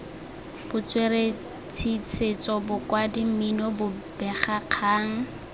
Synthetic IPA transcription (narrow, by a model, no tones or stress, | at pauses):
b̥ʊt͡swere | t͡sʰit͡sʰet͡sɔbʊkwadim̩minɔbʊb̥ɛχaq͡χʰaːŋ̩